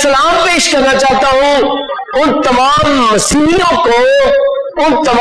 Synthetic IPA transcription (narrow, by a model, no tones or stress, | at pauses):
sɐlaːmpeːʃkɐɾnat͡ʃaːɦt̪aɦũ | ʊnt̪ɐmaːmːɐsiːlijõko | ʊnt̪ɐm